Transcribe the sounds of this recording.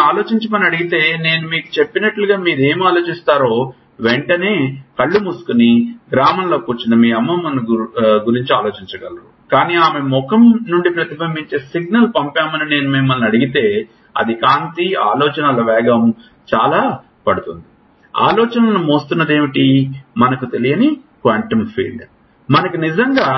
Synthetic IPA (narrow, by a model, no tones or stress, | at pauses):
aːlo̞ːt͡ʃiɲt͡ʃɐmɐniɐɽiɡit̪e̞ːne̞ːnumiːku̥t͡ʃepːinɐʈluɡaːmiːɾe̞ːmaːlo̞ːt͡ʃist̪aːɾo̞ː | ʋeɳʈɐne̞ːkɐɭːumusu̥kuniɡɾaːmɐnlo̞ːkuːt͡ʃːinɐmiːɐmːɐmɐnɡuɾiɲt͡ʃiaːlo̞ːt͡ʃiɲt͡ʃɐɡɐ̰lɐɾṵ | kaːniːaːme̞mɔkɐmnuɳɖipɾɐt̪ibʱɐmbiɲt͡ʃe̞ːsiɡ̚nɐlpɐmpjaːmɐnine̞ːnumemːɐlnɐɽiɡit̪e̞ː | ɐ̰d̪ikaːnt̪ia̰ːlɔːt͡ʃɐnɐlɐʋɛːɡɐm | t͡ʃaːlaː | pɐɽut̪und̪i | a̰ːlɔːt͡ʃɐnɐnumoːst̪unːɐd̪e̞ːʋiʈimɐnɐkut̪e̞lijɐnikʋɐɳʈɐmpʰḭːɭɖ | mɐnɐkunid͡ʒɐŋɡaː